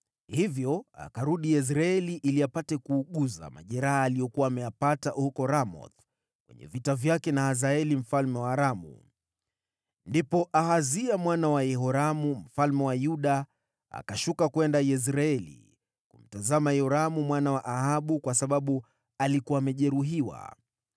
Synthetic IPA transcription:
hivjɔa̰kaɾuɗijɛs̬ɾaɛliʔiliapatɛkuːɠuza̰ma̰ʄɛɾahaːlijɔkuwaːmɛjapatahukɔɾamɔ̰t | kwɛ̰ɲɛ̰vitavjakɛnahazaɛlim̩falmɛwaːɾamṵ | ndipɔʔahaziamwanawajɛɦɔɾamum̩falmɛwajuɗa | a̰kaʃukakwɛndajɛs̬ɾaɛlḭ | kum̩tazamajɛɔɾamumwanawaʔahaɓukwasaɓaɓu | alikuwaːmɛʄɛɾuɦiwa̰

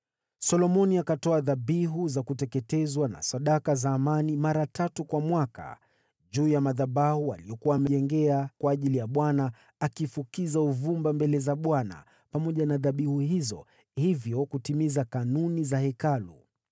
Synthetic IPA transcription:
sɔlɔmɔniakatɔaðaɓiɦuzakutɛkɛtɛzwana̰saɗakazaːmanimaɾatatukwamwaka̰ | ʄuːjamaðaɓahua̰lijɔkuwaːmɛʄɛŋɡɛakwaːʄilijaɓwanaː | kifukizauvumbambɛlɛzaɓwana̰ | pamɔʄanaðaɓihuhizɔ̰ | hivjɔkutimizakanunizahɛkalṵ

